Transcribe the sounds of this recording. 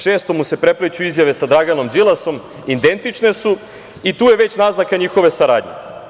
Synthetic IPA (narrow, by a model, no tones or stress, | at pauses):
ʃe̞ːst̪o̞muse̞pɾe̞plet͡ɕuizjaʋe̞sad̪ɾaɡano̞md͡ʒ̪ilˠaso̞m | id̪e̞nt̪it͡ʂne̞su | it̪uːje̞ʋe̞t͡ɕnaːznakaɲiːxo̞ʋe̞saɾaːd̪ɲḛ